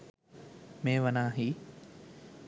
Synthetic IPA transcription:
mẽːʋənaːɦi

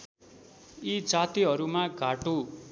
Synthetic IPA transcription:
id͡zat̪iɦʌɾumaɡʱaʈo

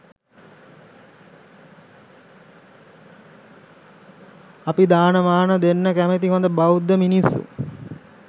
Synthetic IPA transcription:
apid̪aːnəʋaːnəd̪enːəkæmet̪iɦond̪əbawd̪ːəminisːṵ

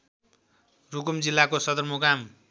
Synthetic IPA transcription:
rukumd͡zilːakosʌd̪ʌrmokam

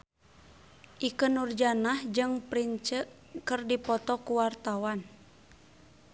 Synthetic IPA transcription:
ʔikənurd͡ʒanahd͡ʒɨŋpɾiɲt͡ʃəʔ | kɨrdipɔt̪ɔkuwart̪awan

